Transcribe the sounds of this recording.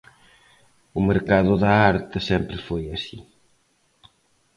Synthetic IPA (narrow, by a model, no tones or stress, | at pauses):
ʊmeɾkaðʊðɐaɾt̪ɪsempɾɪfojasi